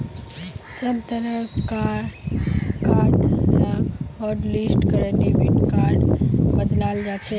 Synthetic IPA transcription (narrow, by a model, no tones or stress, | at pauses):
səbt̪əɾəka | kaːɾɖlaːɡɔːɾliːsʈkəɾənibiʈkaːɾɖbəd̪laːld͡ʒaːt͡ʃʰeː